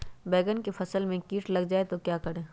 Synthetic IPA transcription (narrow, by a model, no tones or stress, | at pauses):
bɛːɡənkefɐsəlmẽkiːʈlɐɡd͡ʒaːet̪okjaːkɐɾẽː